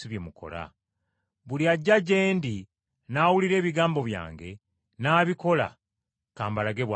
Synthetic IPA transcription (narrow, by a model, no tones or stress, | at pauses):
iβjemukʰo̞̰la̰ | βuliaɟːaɟe̞ːndi | naːwuliɾe̞ːβiɡaːmbo̞βja̰ːŋɡe̞ | naːβiko̞la̰ | kaːmbalaɡe̞βwa